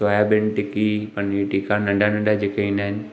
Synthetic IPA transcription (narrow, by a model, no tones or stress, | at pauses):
oːjabɪ̃nʈɪkipɐneʈikãnɐ̃ɳɖanɐ̃ɳɖad͡ʑeːkeinaːɪnɪ̆